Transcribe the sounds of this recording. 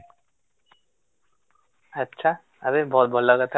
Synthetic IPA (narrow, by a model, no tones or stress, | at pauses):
ətːʃʰa | abebʱɔt̪̚bʱɔlːakat̪ʰa